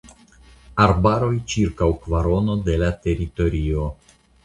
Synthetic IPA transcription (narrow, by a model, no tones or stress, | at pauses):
aɾbaɾo̞jt͡ʃiɾkawkvaɾo̞no̞de̞late̞ɾito̞ɾio̞